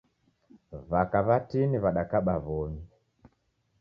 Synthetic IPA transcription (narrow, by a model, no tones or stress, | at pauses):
vakaβatiniβaɗakaɓaβɔɲi